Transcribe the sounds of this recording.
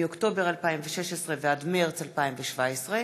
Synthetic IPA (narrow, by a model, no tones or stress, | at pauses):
okto̞beʁalpaimveʃeʃesʁevead̪meʁt͡salpaimveʃvaesʁe